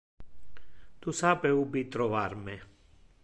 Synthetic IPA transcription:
t̪usapɛubit̪ɾɔʋaɾmɛ

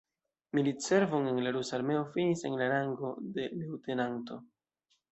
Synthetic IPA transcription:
militse̞ɾvoŋe̞nlaɾusaɾme̞o̞finiseŋlaɾaŋɡo̞de̞lewte̞nanto̞

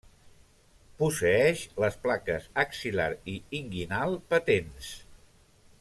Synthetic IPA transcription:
pusəɛʃləsplakəzəksila̰ɾiiŋɡinalˠpət̪ens

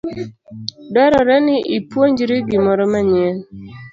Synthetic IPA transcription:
dɔɾɔɾɛnɪʔipwoɲd͡ʒiɾiɡɪmɔɾɔmaɲɛl

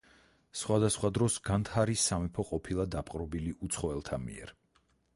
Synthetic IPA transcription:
sχwad̪asχwad̪ɾɔsɡant̪ʰaɾisːamipʰɔqʼɔpʰilˠad̪apʼqʼɾɔbiliʔut̪sʰχɔɛlˠt̪ʰamḭɛ̰ɾ

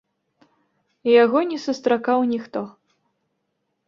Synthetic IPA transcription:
jaɣɔnʲɛsust̪ɾakawnʲixt̪ɔ

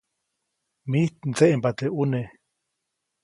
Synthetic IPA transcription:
miht̪n̩t͡seʔempat̪eʔune

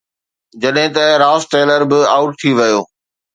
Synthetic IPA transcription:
d͡ʑɐɗɦɪ̃t̪ɐɾaːsʈeːləɾbɪaːʊʈ̚t̪ʰiʋɐjoː

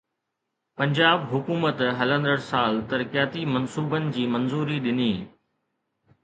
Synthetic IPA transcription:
pɐ̃ɲd͡ʑaːbɦʊkuːmət̪ɦɐlə̃nd̪əɽsaːlt̪ɐɾkijaːt̪imɐnsuːbənɪ̆d͡ʑiːmɐnzuːɾiɗɪniː

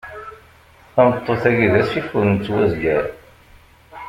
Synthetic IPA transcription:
θɑmət̪ˤːoθæɡiðæsifuɾnt͡sːwæzɡæɾ

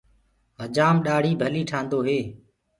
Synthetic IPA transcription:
ɦəd͡ʒaːmɗaːɽ̤iːbʱəliːʈʰãːnd̪oːɦeː

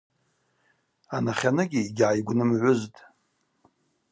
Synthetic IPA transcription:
anaχʲanɨɡʲiiɡʲʕajɡʷnɨmʕʷʊztʼ

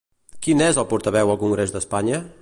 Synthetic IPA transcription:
kinezəlˠpuɾt̪əβɛwəlˠkuŋɡɾezd̪əspaɲə

